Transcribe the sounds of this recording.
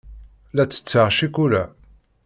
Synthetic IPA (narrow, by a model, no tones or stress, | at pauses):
læt͡sːə̥t͡sːəʁʃikuɾæ